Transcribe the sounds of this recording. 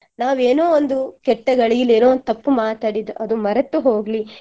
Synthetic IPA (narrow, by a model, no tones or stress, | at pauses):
naːʋeːnoːond̪ukɛʈːɐɡɐɭiɡileːnoːnd̪t̪ːɐpːumaːt̪aːɽid̪uʔɐd̪umɐɾɐt̪ːuɦo̞ːɡli